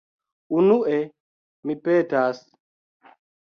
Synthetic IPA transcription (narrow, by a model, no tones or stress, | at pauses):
unuʔɛ | mipɛtas